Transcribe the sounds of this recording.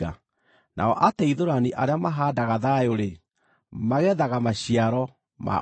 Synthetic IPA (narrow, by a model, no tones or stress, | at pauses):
a | nʔa̰ɔʔataiðoɾaniʔaɾeamaɦaːdaɣaðajoɾe | maɣɛðaɣamaɕiaɾɔ | mʔa̰